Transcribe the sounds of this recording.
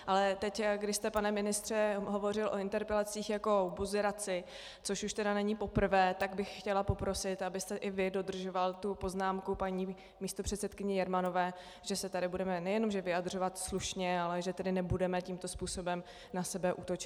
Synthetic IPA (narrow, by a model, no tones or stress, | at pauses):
ʔalɛt̪ɛcɡdɪʃst̪ɛpanɛmɪnɪst̪r̝̥ɛɦo̞vo̞r̝ɪlʔo̞ɪnt̪ɛɾpɛlat͡siːxjako̞buzɪɾat͡sɪ | t͡so̞ʃuʃt̪ɛdanɛɲipo̞pr̩vɛːt̪aɡbɪxxcɛlapo̞pɾo̞sɪt̪abɪst̪ɛʔɪvɪdo̞d̪r̩ʒo̞valt̪upo̞znaːmkupaɲiː | miːst̪opr̝̥ɛt̪sɛt̪kɪɲɛjɛɾmano̞vɛː | ʒ̥ɛsɛt̪adɪbudɛmɛnɛjɛno̞mʒɛvɪjad̪r̝o̞vat̪sluʃɲɛalɛʒɛt̪ɛdɪnɛbudɛmɛciːmt̪o̞spuːso̞bɛm | nasɛbɛʔut̪ot͡ʃɪ